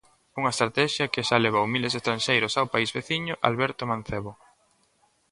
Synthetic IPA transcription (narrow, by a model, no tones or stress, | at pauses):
uŋɐest̪ɾat̪ɛʃjɐkeʃaleβaumilesest̪ɾanʃejɾʊsawpaizβeθiɲʊʔa̰lβɛɾt̪omãn̟θeβo